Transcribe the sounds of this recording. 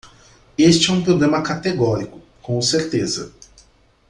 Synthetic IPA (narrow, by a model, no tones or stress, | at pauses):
est͡ʃɪɛũpɾoblẽmɐkat̪eɡɔɾikʊ̥ | kõseɾt̪ezɐ̰